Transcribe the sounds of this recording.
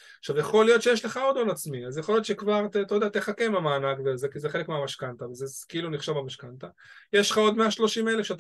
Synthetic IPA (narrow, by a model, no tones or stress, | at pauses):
aχʃavjaχo̞lijo̞t̪ʃejeʃle̞χao̞d̪onat͡smiazjaχo̞lijo̞t̪ʃekvaʁt̪ːt̪ajod̪eat̪eχake̞mamaːnaɡveazekizeχelekmeamaʃkant̪avezekeiluniχʃavamaʃkant̪a | jeʃlχao̞d̪meaʃlo̞ʃime̞lefʃeat̪a